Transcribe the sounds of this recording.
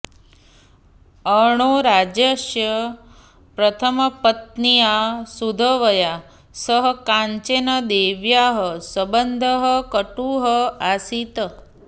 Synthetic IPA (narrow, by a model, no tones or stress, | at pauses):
əɳ̃oɾad͡ʒjəʃjə | pɾət̪ʰəməpət̪̚nijasud̪ʱəʋəja | səɦəkãɲt͡ʃenəd̪eʋjaɦəsəbənd̪ʱəɦəkəʈuɦəasit̪ə